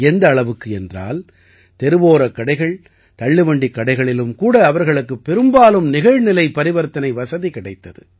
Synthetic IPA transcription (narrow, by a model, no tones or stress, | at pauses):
ɛnd̪ɐːɭɐʋɯkːɯɛndra̰ːl | t̪ɛɾɯʋoːɾɐkːɐɽɐɪɣɐɭ | t̪ɐɭːɯʋɐɳɖikːɐɽɐɪɣɐɭɪlɯmkuːɽɐːʋɐɾɣɐɭɯkːɯpːɛɾɯmbaːlɯmnɪɣɐɻnɪlɐɪpɐɾɪʋɐɾt̪ːɐnɐɪʋɐsɐðikɪɽɐɪt̪ːɐðɯ